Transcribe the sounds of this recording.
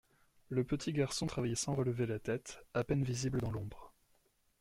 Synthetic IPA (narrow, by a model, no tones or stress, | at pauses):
ləpət̪ʰiɡaʁsɔ̃t̪χavajɛsɑ̃ʁələvelat̪ɛt̪apɛnvizibləd̪ɑ̃lɔ̃bʁ